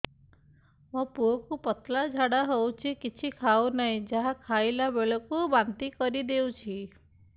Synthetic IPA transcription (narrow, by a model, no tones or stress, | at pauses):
mɔ̃puɔkupət̪lad͡ʒʱaɽaɦowt͡ʃʰikit͡ʃʰikʰawnaɦĩd͡ʒaɦakʰajlabeɭɔkubant̪ikɔɾid̪eũt͡ʃʰi